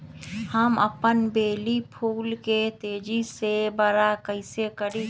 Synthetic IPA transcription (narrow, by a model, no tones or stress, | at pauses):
həmə̰pənbeːlipʰuːlket̪eːd͡ʒisebəɾakəɪsekəɾi